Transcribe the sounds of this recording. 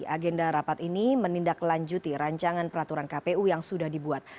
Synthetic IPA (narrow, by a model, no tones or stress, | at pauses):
ʔaɡɛndaɾapat̪inimənindaklaɲd͡ʒut̪iɾaɲt͡ʃaŋanpəɾat̪uɾankapeujaŋsudahdibuat̪̚